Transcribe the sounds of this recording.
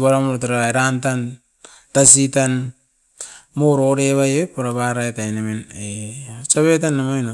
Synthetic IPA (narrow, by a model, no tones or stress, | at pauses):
βaɾamoɾtaɾaeɾantan | tas̬itan | moɾoɾeβajepaɾaβaɾakajnaminet͡ʃaβet̬anːaman